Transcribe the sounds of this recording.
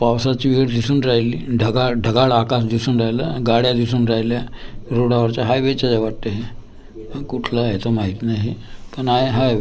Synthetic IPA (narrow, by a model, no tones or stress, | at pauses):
pawsat͡ɕiʋiɽd̪isuːnɾajliːɖʱəɡaɭɖʱəɡaɭakasd̪isuːnɾaɦjla̰ɡaɽjad̪isuːnɾajljaɾoɽaʋəɾt͡ɕaɦajʋet͡ɕad͡ʑaʋaʈt̪eɦe | kuʈʰlaɦet̪omaɦit̪inaɦipəɳaeɦaj